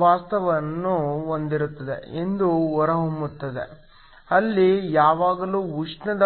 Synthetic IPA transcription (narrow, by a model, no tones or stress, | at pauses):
ʋaːst̪ɐʋɐnːuond̪iɾut̪ːɐd̪ḛend̪uɔɾɐɦomut̪ːɐd̪e̞̰ | ɐlːijaːʋaːɡɐluːuʂɳɐd̪ɐ